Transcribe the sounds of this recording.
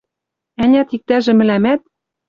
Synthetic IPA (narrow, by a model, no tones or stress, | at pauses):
ænʲæt̪ik̚t̪æʒɘ̆mɘ̆læmæt̪̚